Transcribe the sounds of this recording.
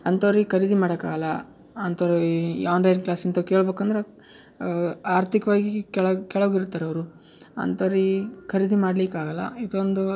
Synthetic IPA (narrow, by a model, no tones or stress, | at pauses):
ɐnt̪oːɾikʰɐɾid̪imaːɽɐka̰ːɡɐlːɐ | ɐnt̪oːɾijaːnlɐjnklaːsint̪ɐkeːɭbeːkɐnd̪ɐɾe | aːɾt̪ʰikɐʋaːɡikɛɭɐkɛɭɐɡiɾut̪ːaːɾɐʋɐɾu | ɐ̰nt̪oːɾikʰɐɾid̪imaːɽlikaːɡɐlːɐ̰id̪ond̪u